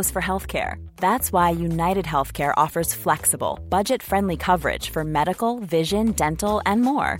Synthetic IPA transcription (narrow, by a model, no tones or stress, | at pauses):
ʊz̥fə˞ɦɛlˠθkʰɛ̰ɹ | ðætswaɪjunaɪɾɨd̚ɦɛlˠθkʰɛɹʔɔfə˞z̥flɛksəb̰l̩ˠb̥ʌd͡ʒɨtfɹɛ̃ndˡlikʰʌvə˞ɪ̰d̥ʒ̥fə˞mɛɾɨkl̩ˠvɪʒɨ̃ndɛ̃ntl̩ˠɛ̃nmɔ̰ɹ